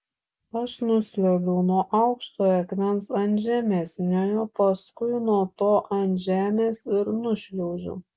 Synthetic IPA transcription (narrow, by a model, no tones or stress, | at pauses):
ɐʃnʊsʲlʲɛʊɡʲɛʊnuɔʔɐʊkʃt̪oːjɐkʲmʲɛnsɐnʲʒʲæːmʲeːsʲnʲoːjoːpɐskʊɪnuɔt̪oːʔɐnʲʒʲæːmʲeːsɪɾnʊʃʲlʲɛʊʒʲʊ̰